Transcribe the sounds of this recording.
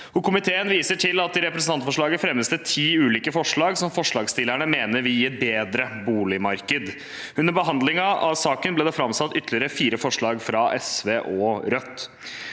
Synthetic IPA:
ɔkʰʊmɪt̪ʰeːənʋiːsəʈʰɪlɑt̪̚d̪ɪɾɛpɾəsn̩t̪ɑnt̪fɔʂɭɑːɡəfɾɛmːəsd̪ɛt̪ʰiːʉːliːkəfɔʂɭɑːɡsɔmfɔʂɭɑːɡst̪ɪlæɳəmeːnəɾʋɪiːɛt̪̚beːd̪ɾəbuːlɪmɑɾkəd̪ | ʉnd̪əɾbəɦɑnd̪lɪŋɑɑ̰ʋsɑːkənbleːd̪ɛfɾɑmsɑt̪ːʏt̪ʰːlɪəɾəfiːɾəfɔʂɭɑːɡfɾɑʔɛsʋeːʔɔɾœt̪ː

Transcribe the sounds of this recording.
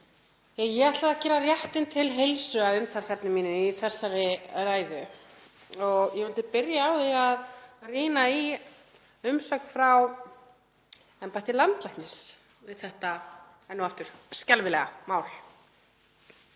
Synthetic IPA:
jajɛɣaht̪laaðcɛːɾarjaht̪ɪnt̪ʰɪlɦejlsʏaðʏmt̪ʰalsɛpnɪmːiːnʏiθɛsːaɾɪraːjðʏ | ɔɣjɛvʏlt̪ɪpɪɾjaːwðiaðriːnai | ʏmsœknfɾaw | ɛmpat̪ɪlant̪lajhk̪nɪs | vɪðθɛht̪a | ɛnːuwaft̪ʏɾ̥scalvɪlɛɣa̰maːwl̥

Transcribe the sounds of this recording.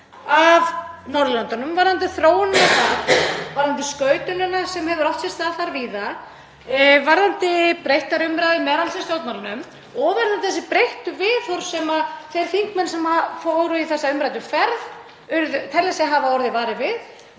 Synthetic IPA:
avnɔɾðlant̪anʏmvaɾðant̪̬ɪθɾoːwʏntaðvaɾðant̪ɪskœːɥt̪ʏnɛnasɛmhɛvðʏɾɔwft̪sɛst̪aθaɾviːða | vaɾðant̪ɪpɾejht̪aɾʏmɾajðɪmɛðalsɛsjowt̪mawlɪnʏm | ɔɣvaɾðant̪ɪθɛsɪpɾejht̪ʏvɪθɔɾ̥sɛmaθejɾ̥θiŋ̥kmɛnsɛmafowɾʏiθɛsːaʏmpɾajt̪ʏfɛɾð | ʏɾðʏt̪ʰɛlːɛsɛaɦaːvaɔɾðɪvaːɾɪvɪð

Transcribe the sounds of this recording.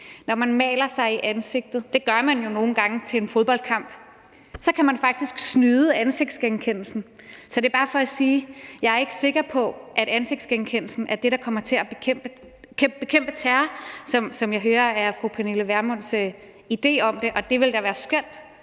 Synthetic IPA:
nɒmænmɛ̰ːlɐsɑ̈ɪiʔænse̝ɡ̥̚d̥ð̞̩ˠd̥e̝ɡ̥ɶɐmænjo̝no̝ːn̩ɡ̥ɑ̈ŋət͡sʰe̝lenfoðˠb̥ɒ̽ld̥̚kʰɑ̈m̰b̥ | sɒ̽kʰæmænfɑ̈ɡ̥̚d̥isɡ̥snyːðˠəænse̝ɡ̥̚d̥sɡ̥enkʰen̰l̩sn̩sɒ̽d̥e̝b̥ɑ̈ːfɒ̽æsiːjɑ̈ɪæɐe̝ɡ̥əse̝ɡ̥ɐpʰɒ̽ʔæɾ̥ænse̝ɡ̥̚d̥sɡ̥enkʰen̰l̩sn̩ʔæɐd̥e̝ɾ̥ɑ̈kʰɒ̽mɐt͡sʰe̝æb̥ekʰem̰b̥ə | kʰem̰b̥e̝kʰem̰b̥ət͡sʰæːɐsɒ̽msɒ̽mjɑ̈ɪɦøːɐæɐfʁupʰæneləʋæɐmɔn̰s | id̥e̝̰ːɒ̽md̥e̝ʔɒ̽d̥e̝ʋe̝ld̥ɑ̈ʋæːɐsɡ̥œn̰d̥

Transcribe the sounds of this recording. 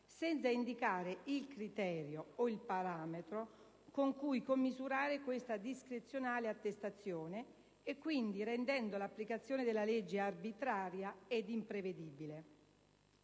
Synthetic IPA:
sɛnt̪saind̪ikaːɾeilkɾit̪ɛːɾjooilpaɾaːmet̪ɾo | koŋkujkomːizuɾaːɾekwest̪ad̪iskɾet̪sːjonaːleat̪ːest̪at̪sːjoːneː | kːwind̪iɾend̪ɛnd̪olapːlikat̪sːjoːned̪elːaled͡ʒːearbit̪ɾaːɾjaed̪impɾeved̪iːbile

